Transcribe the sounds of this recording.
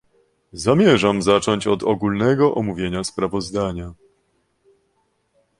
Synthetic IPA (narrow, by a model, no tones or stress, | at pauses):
zamʲjɛʐamzat͡ʂɔɲt͡ɕɔd̪ɔɡulnɛɡɔʔɔmuvʲjeɲaspɾavɔzd̪aɲa